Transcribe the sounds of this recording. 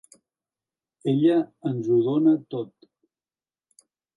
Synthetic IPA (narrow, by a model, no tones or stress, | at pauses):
eʎəənzuðonət̪ot̪